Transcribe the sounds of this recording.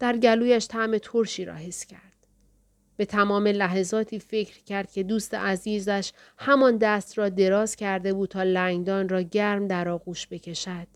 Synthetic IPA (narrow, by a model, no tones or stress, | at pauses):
d̪̥æɾɟæluːjæʃt̪ʰæʔme̞t̪ʰoɾʃiːɾɒ̰ːɦe̞scʰæɾd̪̥ | b̥e̞t̪ʰæmɒːme̞læɦezɒːt̪ʰiːfe̞cʰɾcʰæɾd̪̥̚cʰe̞d̪uːst̪ḛʔæziːzæʃ | hæmɒnd̪æst̪rɒːd̪e̞ɾɒːzcʰæɾd̪e̞buːd̪̚t̪ʰɒːlæŋɡd̪ɒːnrɒːɟæɾmd̪æɾɒːɣuːʃbe̞cʰe̞ʃæd̪̥̚